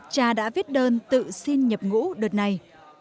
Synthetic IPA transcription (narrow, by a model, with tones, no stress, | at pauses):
t͡ɕaː˧ɗa̰ː˧˥vi˦˥t̚ɗəː˧nt̪ɨ̰˧˨si˧nɲə˨˩p̚ŋṵ˧˥ɗɨ˨˩t̚na˨˩j